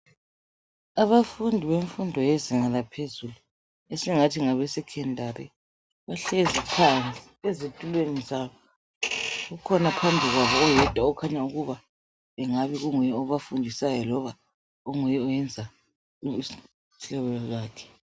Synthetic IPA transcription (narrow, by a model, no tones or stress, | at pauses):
aβafundʱiβeɱfundʱɔjeziŋalapʰezulu | esiŋatʰiŋaβɛsɛkʰɛndʱaɾḭ | βaɬezipʰant͡sʼi̥ezetʼulwenizaβɔ | ɣukʰɔnapʰambʱiɣwaβɔːjɛd̥ʱwaɔkʰaɲauɣuβa | ɛŋaβiɣuŋujɛɔβafundʱisajɔlɔβa | uŋujɛɔjɛnd͡zʱa | ɬɔβɛlɔɣaːkʰɛ̥